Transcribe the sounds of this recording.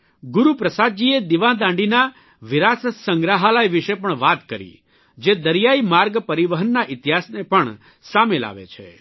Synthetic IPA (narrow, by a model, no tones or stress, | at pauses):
ɡuɾupɾəsad̪̚d͡ʒied̪iʋãd̪ãɳɖina | ʋɪɾasəsəŋɡɾaɦalajʋiʃepəɳʋat̪kəɾḭ | d͡ʒed̪əɾjaimaɾɡpəɾiʋəɦənːaʔɪt̪iɦasnepəɳ | samela̰ʋḛt͡ʃʰḛ